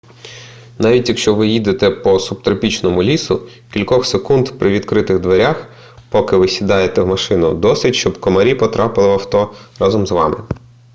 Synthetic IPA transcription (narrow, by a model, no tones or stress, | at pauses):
nɑʋʲitʲjɐkʃt͡ʃɔʋɪjid̪et̪ɛpɔsup̚t̪ɾɐpʲit͡ʃnɔmʊlʲisʊ | kʲilʲkɔxsekund̪pɾʔɪʋʲid̪kɾɪt̪ɪɣd̪ʋeɾʲax | pɔkɪʋɪsʲid̪ɑjet̪ɛwmɐʃɪnʊ̰d̪ɔsʲʋʲitʲʃt͡ʃɔbkɔmɐɾʲipɔt̪ɾʔɑpɪlˠɪʋɐwt̪ɔrɑzɔmzʋɑ̰mɪ̰